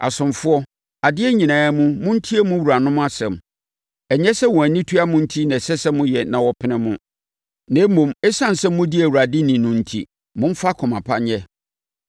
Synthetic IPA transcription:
ʔa̰˨sʊ̃˨mfʊ˦ɔ˦ | a˨dɪ˦ɛ˦ɲĩ˨nãː˨˦mũ˦mʊ̃˦n̩˦tʰi˦e˦mʊ̃˦wu˨ɾa˨nʊ̃˦m̃˦a˦sɛ̃˨m | ɛ˨ɲɛ̃˦sɛ˦wɔ̃˨æ˨nĩ˦tʰu˦a˦mʊ̃˦n̩˦tʰi˦nã˨sɛ˦sɛ˦mːʊ̃˦jɛ˨nã˨wɔ˨pʰɪ˦nɪ̃˦mʊ̃˦ | nɛ̃˨˦mũ˨mɛ˦sã˦n˨sɛ˦mː˦ʊ̃˦dɪ˦æ˨wu˨a˨dɪ˦nĩ˨nʊ̃˨n̩˨tʰḭ˦ | mʊ̃˦m̩˦fa˦kʰɔ˨mã˨pʰa˦ɲɛ˦

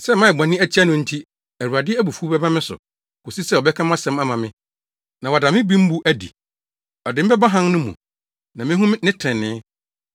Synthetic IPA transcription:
sɛ˦mã˦˨ɛ˨ɡ͡bã˨nɪ̃˦æ˦t͡ɕʰi˦a˦nʊ̃˨n̩˦tʰi˦ | æ˨ɾu˨a˨dɪ˦æ˦bu˨fu˦bɛ˦bã˦mɪ̃˦sʊ̰˨ | kʰo˨si˦sɛ˦˨ɔ˨bɛ˦kʰã˦mã˦sɛ̃˦ma˦mã˨mɪ̃˦ | nã˨wa˨da˨mɪ̃˦bĩ˦m̩˦bu˦ʔæ˦dḭ˨ | ɔ˨dɪ˨m̩˦bɛ˦bã˦ɦã˦n˦nʊ̃˦mṵ̃˨ | nã˨mɪ̃˦ɦũ˦m˦nɪ̃˦tʰɛ̃˨nːɪ̃ː˨˦

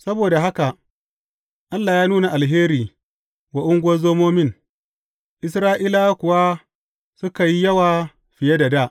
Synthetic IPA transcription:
sɐ˦boː˨da˨ɦa˦ka˨ʔ | ʔa˦lːaː˨jaː˦nuː˦na˨ʔa˨lɦeː˦ɾiː˨ | wa˨ʔʊ˦ŋɡʷɐ˦zoː˦moː˦mɪ˦n | ʔɪ˦s̬ɾaː˦ʔiː˦la˦kʷʊ˨wa˦ | sʊ˦ka˨ji˦jɐ˦waː˨ | ɸɪ˨je˦da˨daː˦˨ʔ

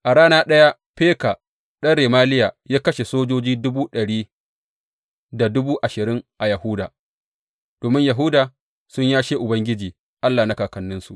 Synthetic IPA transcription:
ʔa˨ɽaː˦naː˦ɗɐ˦ja˦ɸpeː˦ka˨ | ɗɐ˦ɽeː˨maː˦lɪ˦jaː˨jaː˦kɐ˦ʃe˨soː˦d͡ʒoː˦d͡ʒiː˦dʊ˦buː˦ɗɐ˨ɽiː˦ | da˨dʊ˦buː˦ʔa˨ʃɪ˨ɾɪ˦ŋʔa˨jɐ˨hʊ˦daː˨ | d̥oː˨mɪ˦ɲja˨ɦʊ˦daː˨ | sʊ˦ɲjaː˦ʃeː˦ʔʊ˨bɐ˦ŋɡʲɪ˦d͡ʒiː˨ | ʔa˦lːaː˨na˦kaː˨kɐ˨nːɪ˦nsu˨ʔ

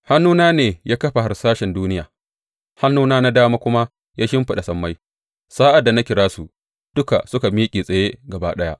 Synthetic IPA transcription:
ha˦nːuː˦naː˦neː˨jʔaː˦kɐ˦ɸa˨ha˨rsaː˦ʃɛ˨nduː˦nɪ˦jaː˨ | ha˦nːuː˦naː˦na˦daː˦maː˦kʷʊ˦ma˦ | jaː˦ʃɪ˦mɸɪ˦ɗa˨sɐ˨mːa˦j | saː˦ʔa˨dːa˨na˦kʲɪ˨ɽaː˦su˨ʔ | d̥ʊ˦ka̰˨sʊ˦ka˨miː˦kʲʼiː˨sʼɐ˨je˦ɡɐ˨baː˦ɗɐ˦ja˦ʔ

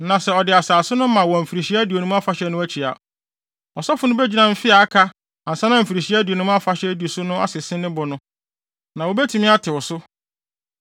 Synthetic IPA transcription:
nã˨sɛ˨ɔ˨dɪ˨a˨saː˨sʊ˦nʊ̃˦mã˨wɔ˨m̩˨fi˨ɾi˨ɕi˦æ˦di˨o˨nũ˦a˦fa˦ɕɛ˦nʊ̃˦æ˦t͡ɕʰi˨a̰˨ | ɔ˨sɔ˦fʊ˨nʊ̃˦be˦d͡ʑi˨nã˨m̩˦fɪ˦a˨a˦kʰa˦ | a˨n̩˨sa˦nã˨m̩˨fi˨ɾi˨ɕi˦æ˦di˨o˨nũ˦m̃˦a˦fa˦ɕɛ˦di˨o˨sʊ˦nʊ̃˦a̰˦sɪ˨sɪ̃˦nɪ̃˦bʊ˨nʊ̃˦ | nã˨wo˨be˦tʰĩ˨mɪ̃˦a˦tʰɪ˨wʊ˨sʊ˦

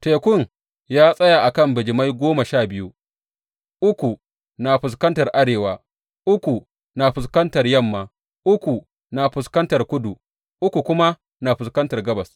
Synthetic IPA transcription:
teː˨kʷʊ˦˨ŋ | jaː˦sʼɐ˦ja˨ʔa˨kɐ˦˨mbɪ˨d͡ʒɪ˨ma˦jɡʷoː˦ma˨ʃaː˦˨bɪ˦ju˦ | ʔʊ˦kʷu˨ | naː˨ɸʊ˨s̬kɐ˦ntɐ˨rʔa˦ɽeː˨waː˨˦ | ʔʊ˦kʷu˨ | naː˨ɸʊ˨skɐ˦ntɐ˨rjɐ˦˨mːaː˨ | ʔʊ˦kʷu˨ | naː˨ɸʊ˨skɐ˦ntɐ˨rkʷʊ˦du˨ | ʔʊ˦kʷu˨kʷʊ˦ma˦ | na˨ɸʊ˨skɐ˦ntɐ˨rɡɐ˦bɐ˨s

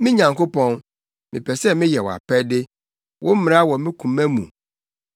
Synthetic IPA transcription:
mɪ̃˦ɲã˨ŋko˦pɔ̃˦n | mɪ̃˨pʰɛ˨sɛ˦mɪ̃˦jɛ˨wɔ̰˨a̰˨pʰɛ˦dɪ˦ | wʔʊ̃˦m̩˦mɪ̃˨ɾa˦wɔ˨mɪ̃˦kʰũ˨mɛ̃˦mṵ̃˨

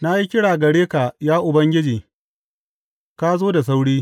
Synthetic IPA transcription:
na˦ji˦kʲɪ˦ɽaː˨ɡɐ˨ɽeː˦ka˨jaː˦ʔʊ˨bɐ˦ŋɡʲɪ˦d͡ʒiː˨ | ka˦zoː˦da˨s̬a˦wɽiː˦

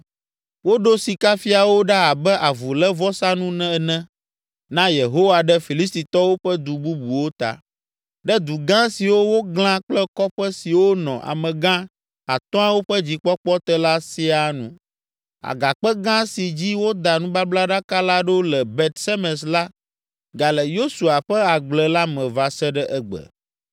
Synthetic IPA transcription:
wo˦ɖo˦si˨ka˦fi˦a˨wo˦ɖa˦a˨bɛ˦ʔa˨vu˨lɛ˦vɔ˦sa˦nũ˦nɛ̃˦˨nɛ̃˦ | nã˦je˨ɦo˦wa˨ɖɛ˦fi˨li˦s̬t̪i˨t̪ɔ˦wo˦ɸɛ˦d̪u˨bu˦bu˨wo˦t̪a̰˨ | ɖɛ˦d̪u˨ɡã˦si˨wo˦wo˦ɡl̃ã˦k͡plɛ˦kɔ˦ɸɛ˦si˨wo˦nɔ̰̃˨ʔa̰˨mɛ̃˨ɡã˦ | a˨t̪ɔ̃˦a˦wo˦ɸɛ˦d͡ʑi˨k͡pɔ˦k͡pɔ˦t̪ɛ˦la˦si˦a˨nũ˦ | a̰˨ɡa˨k͡pɛ˦ɡã˦si˨d͡ʑi˦wo˦d̪a˨nũ˦ba˦bla˦ɖa˦ka˦la˦ɖo˦lɛ˨bɛ˨t̪sɛ˦mɛ̃˨sla˦ | ɡa˨lɛ˨jo˦su˨a˨ɸɛ˦a˨ɡ͡blɛ˨la˦mɛ̃˨va˨sɛ˦ɖɛ˦ʔɛ˦ɡ͡bɛ̰˨

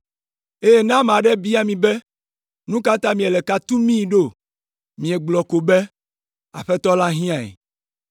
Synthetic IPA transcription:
e˦je˦nã˦m˨ã˨ɖɛ˦bi˦a˦˨mĩ˨bɛ˦ | nũ˦ka˦t̪ã˦mĩ˨e˨lɛ˨ka˨t̪u˦mĩ˦˨ɖo˦˨ | mĩ˨ɛ˨ɡ͡blɔ˨ko˨bɛ˦ | a̰˨ɸɛ˦t̪ɔ˦la˦ɦĩ˦ã˨ɛ̰˨

